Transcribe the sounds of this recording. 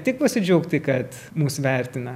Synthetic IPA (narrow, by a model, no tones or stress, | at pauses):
tʲɪk̚pɐsʲɪd͡ʒʲɛʊkt̪ʲɪkɐt̪ | muːsʋʲɛrʲt̪ʲɪnɐ